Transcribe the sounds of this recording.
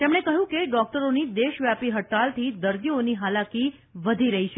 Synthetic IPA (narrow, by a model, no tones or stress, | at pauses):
t̪emɳ̃ekəɦjũkeɖɔk̚ʈəɾonid̪eʃʋjapiɦəʈalt̪ʰid̪əɾd̪ioniɦalaki | ʋəd̪ʱiɾəɦiʃʰe